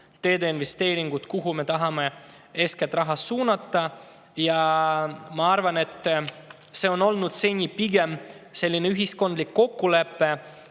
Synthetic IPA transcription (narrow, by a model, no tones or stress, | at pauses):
t̪e̞ːd̪einve̞st̪e̞ːɾiŋɡ̥ut̪kuɦume̞t̪ɑɦɑme̞ | e̞sket̪rɑɦɑsuːnɑt̪ːɑ | jɑ | mɑɑrvɑne̞t̪ːˑ | se̞ːo̞no̞lnud̪se̞nʲipiɡe̞mse̞lʲːine̞yɦisko̞nd̪likːo̞kːule̞pːe̞